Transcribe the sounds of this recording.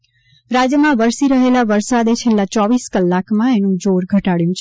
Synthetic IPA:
ɾad͡ʒjəmãʋəɾsiɾəɦelaʋəɾsad̪et͡ʃʰelːat͡ʃɔʋiskəlːakmãenũd͡ʒoɾɡʱəʈaɽjũt͡ʃʰe

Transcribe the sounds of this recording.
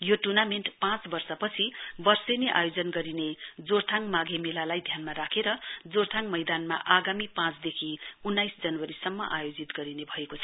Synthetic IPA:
joʈurnamenʈpãt͡sbʌrsʌpʌt͡sʰibʌrsʌneʔa̰jod͡zʌnɡʌɾined͡zort̪ʰaŋmaɡʱemelalajd̪ʱjanmaɾakʰeɾʌd͡zort̪ʰaŋmʌjd̪anma̰ʔaɡamipãt͡sd̪ekʰiunːajsd͡zʌnwʌɾisʌmːʌ̰ʔajod͡zit̪ɡʌɾinebʱʌekot͡sʰʌ

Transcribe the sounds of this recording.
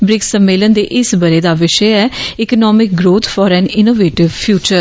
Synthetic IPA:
bɾɪksəmːeːlənd̪eːʔɪsbəɾeːd̪aːʋɪʃɛɛːɪkənɔːmɪk̚ɡɾoːt̪ʰfʰɔːɾɛ̃ːnɪnoːʋeːʈɪʋpʰjuːt͡ʃəɾ

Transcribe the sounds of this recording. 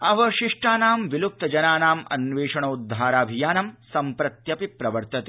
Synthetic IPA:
ɐʋɐʃiʂʈaːnaːmʋiluk̚t̪ɐd͡ʒɐnaːnaːmɐ̰nʋeːʂɐɳɐud̪ʱːaːɾaːbʱijaːnɐmsɐmpɾɐt̪jɐpipɾɐʋɐɾt̪ɐt̪e

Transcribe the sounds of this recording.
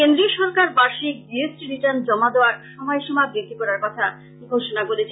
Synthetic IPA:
kend̪ɾioʃɔɾkaɾbaʃik̚biesʈiɾiʈand͡ʑɔmad̪eoaɾʃɔmɔeʃɔmabɾit̪ːikɔɾaɾkɔt̪ʰa | ɡʱoʃonakoɾet͡ɕʰe

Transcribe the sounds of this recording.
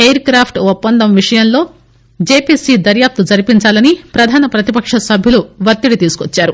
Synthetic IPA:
eːjɐɾkɾaːpʰʈupːɐnd̪ɐmʋiʂɐjɐnlo̞ː | d͡ʒeːpiːsid̪ɐɾjaːp̚t̪ud͡ʒɐɾipiɲt͡ʃaːlɐnipɾɐd̪ʱaːnɐpɾɐt̪ipɐkʂɐsɐbʱjiluʋɐt̪ːiɽit̪iːsu̥kot͡ʃːaːɾu

